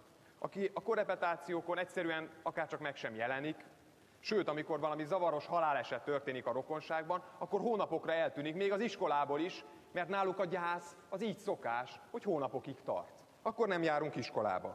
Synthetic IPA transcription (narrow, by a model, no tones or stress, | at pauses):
ɒ̰kiʔɒkoɾɛpɛt̪aːt̪sijoːko̞nɛcʲsɛɾyɛnɒkaːrt͡ʃɒkmɛkʃɛmjɛlɛnik | ʃøːt̪ɒmiko̞rvɒlɒmizɒvɒɾo̞ʃhɒlaːlɛʃɛt̪ːørt̪eːnikɒɾo̞ko̞nʃaːɡ̚bɒnɒkːo̞rɦoːnɒpo̞krɒɛlt̪yːnikmeːɡɒziʃko̞laːboliʃ | mɛrt̪naːlːukɒɟaːs | ɒziːcso̞kaːʃho̞choːnɒpo̞kikt̪ɒ̰rt̪ | ɒkːo̞rnɛmjaːɾuŋkiʃko̞la̰ːbɒ̰